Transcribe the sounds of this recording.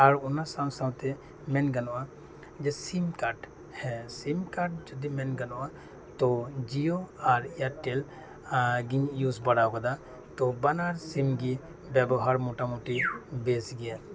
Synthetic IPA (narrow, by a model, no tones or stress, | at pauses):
aɾunasawsawt̪ɛ | mɛnɡanɔʔa | d͡ʒɛsimkaɾʈ | hɛsimkaʈ̚d͡ʒɔd̪imɛnɡanɔʔa | t̪ɔd͡ʒioaɾaʈel | ɡiɲjusbaɽakɔd̪a | t̪ɔbanaɾsimɡi | bɛbɔɦaɾmɔʈamuʈibesɡɛja